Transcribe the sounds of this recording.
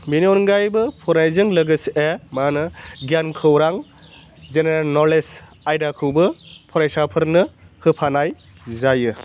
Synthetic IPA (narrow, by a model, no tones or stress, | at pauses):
miniɔnɡajbɯpʰɔɾajzɯŋlɯɡɯsʔemanɯɡijankʰɯwɾaŋ | zeneɾalnɔles | ajdakʰɯwbɯpʰɔɾajsapʰɯɾnɯhɯpʰanaj | zajɯ